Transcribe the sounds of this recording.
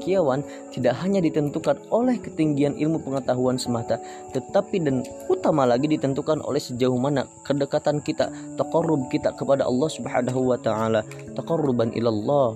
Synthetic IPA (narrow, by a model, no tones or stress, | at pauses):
kiawan | t̪idaʔɦaɲadit̪ənt̪ukanolɛhkət̪iŋɡianʔɪ̰lmupəŋət̪aɦuansəmat̪a | t̪ət̪apidan | ut̪amalaɡidit̪ənt̪ukanʔo̰lɛhsəd͡ʒauhmana̰kədəkat̪ankit̪a̰ | t̪aqɑrːʊb̚kit̪akəpada̰ʔɑ̰lːɑhsubħanaɦuwat̪aʕalat̪aqɑrːʊbanʔḭlalːɑ